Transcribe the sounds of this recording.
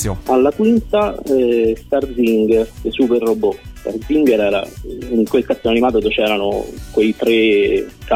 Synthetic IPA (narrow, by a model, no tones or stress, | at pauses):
alːakwint̪aɛst̪arziŋɡeɾesuperːobɔst̪a̰rziŋɡɛɾɛːɾa̰iŋkwelkat̪ːonanimaːt̪od̪ot͡ʃɛːɾano̰kwejt̪ɾeka